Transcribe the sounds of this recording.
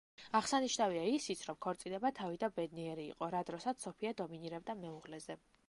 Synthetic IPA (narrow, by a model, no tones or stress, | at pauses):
aʁsaniʃnaviaisit̪sʰɾɔmkʰɔɾt̪sʼilɛbat̪ʰavid̪abɛd̪niɛɾḭːqʼɔɾad̪ɾɔsat̪ssɔpʰiad̪ɔminiɾɛb̚d̪amɛuʁlɛzɛ